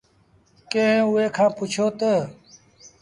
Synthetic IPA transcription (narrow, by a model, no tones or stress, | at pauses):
kẽueːkʰãːput͡ʃʰoːt̪ə